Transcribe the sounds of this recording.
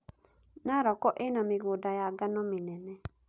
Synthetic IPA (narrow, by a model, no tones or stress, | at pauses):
naɾɔkɔʔɪnamɪɡodajaɡanɔmɪnɛnɛ